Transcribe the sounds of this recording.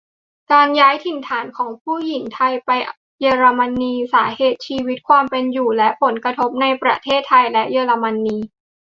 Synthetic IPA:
kaː˧njaː˦˥jt̪ʰi˨˩nt̪ʰaː˩˦nkʰɔː˩˦ŋpʰuː˥˩ji˩˦ŋt̪ʰa˧jpa˧jʔ | jeː˧ɾa˧ma˧nːiː˧saː˩˦heː˨˩t̪̚t͡ɕʰiː˧wi˦˥t̪̚kʰwaː˧mpe˧njuː˨˩lɛ˦˥ʔpʰo˩˦nkɾa˧t̪ʰo˦˥p̚na˧jpɾa˧t̪ʰeː˥˩t̪ʰːa˧jlɛ˦˥ʔjɤː˧ɾa˧ma˧nːiː˧

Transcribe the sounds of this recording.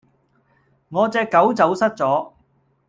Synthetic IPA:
ŋɔː˨˧t͡sɛː˧kːɐ˨˥wt͡sɐ˨˧˥wsɐ˥t̚t͡sɔː˨˥

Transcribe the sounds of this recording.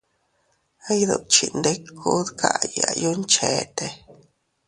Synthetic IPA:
a˦jd̪ṵ˧˨t͡ʃi˨nd̪e˦kʰu˦d̪kʰa̰˦ja˨ju˦nt͡ʃe˨t̪e˧

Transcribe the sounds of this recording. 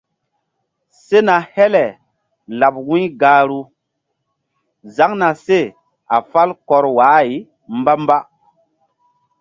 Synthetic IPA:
se˦na˨hɛ˦lɛ˨ | la˨p̚wũ˦ɡaː˨˦ɾu˦ | za˦ŋna˨se˦˨ | a˨fa˦lkɔ˨ɾwaː˨˦i˨ | m˦ba˦m˦ba˦

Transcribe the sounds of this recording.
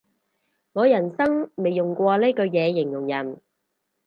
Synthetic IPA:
ŋɔː˨˧jɐ˨˩nsɐ˥ŋme˨jjʊ˨˩ŋkʷɔː˧le˥kɵ˧jɛː˨˧jɪ˨˩ŋjʊ˨˩ŋjɐ˨˩n

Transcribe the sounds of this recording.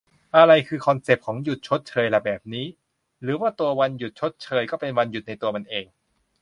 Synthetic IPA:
ʔa˧ɾa˧jkʰɯː˧kʰɔ˧nse˨˩p̚kʰɔː˩˦ŋju˨˩t̪̚t͡ɕʰo˦˥t̪̚t͡ɕʰɤː˧jla˨˩bɛː˨˩p̚niː˦˥ | ɾɯː˩˦waː˥˩t̪u˧ɐwa˧nju˨˩t̪̚t͡ɕʰo˦˥t̪̚t͡ɕʰɤː˧jkɔː˥˩pe˧nwa˧nju˨˩t̪̚na˧jt̪u˧ɐma˧nʔeː˧ŋ

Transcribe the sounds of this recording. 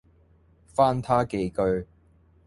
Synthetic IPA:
faː˥nt̪ʰaː˥ke˧jkɵ˥˧ɥ

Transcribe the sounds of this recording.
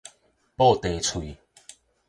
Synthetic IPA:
po˥˧t̪e˨˦t͡sʰwu˨

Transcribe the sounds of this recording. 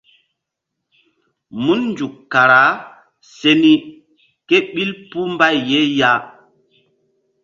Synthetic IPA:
mu˦nnd͡ʒu˨kːa˨ɾa˨˦ | se˦ni˦ | ke˦ɓi˦lpu˦mba˦jːe˦ja˦

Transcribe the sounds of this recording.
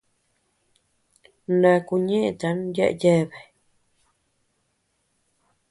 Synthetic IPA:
nã˧ku˧ɲẽ˦ʔe˨t̪a˨˦n˦je˦ʔje˦˨βe˨

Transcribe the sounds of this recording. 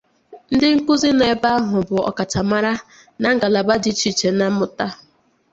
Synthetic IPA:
n̩˦dɪ˦ŋ̩˦kʊ˦zi˦ne˨˦ba˦a˦ɦʊ˨bʊ˨ɔ̰˨ka˨tʰa˨ma˦ɾa˦ | na˦ŋ̩˦ɡa˨la˨ba˦di˦t͡ʃi˦t͡ʃe˨na˦mʊ˨ta˦

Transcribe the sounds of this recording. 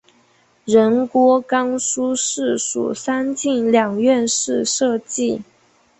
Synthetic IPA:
ɻə˧˥nkwɔ˧˥kɑ˥ŋʂu˥ʂɻ̩˥˩ʂṵ˨˩sa˥nt͡ɕi˥˩ŋljɑ˨˩ŋɥɛ˥˧nʂɻ̩˥˧ʂɤ˥˧t͡ɕi˥˩

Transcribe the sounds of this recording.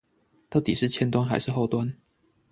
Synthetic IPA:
t̪a˥˩ʊt̪i˨˩ʂɻ̩˥˩t͡ɕʰjɛ˥nt̪wa˥nxa˧ɪʂɻ̩˥˧xo˥˩ʊt̪wa˦n

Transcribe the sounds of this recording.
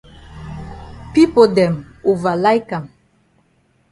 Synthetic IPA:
pi˦po˨dɛ˨m | o˨va˨la˦jka˨m

